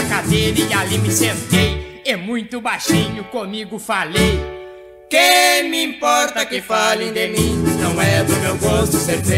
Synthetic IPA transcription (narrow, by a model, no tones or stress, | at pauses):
kad̪elialimɪsẽnt̪ejɛmũj̃t̪ʊbajʃĩɲʊkõmiɡʊfalej | kemɪĩmpɔɾt̪ɐkɪfalẽj̃d̪emĩnɐ̃w̃ɛdʊmewɡost̪ʊsẽɾe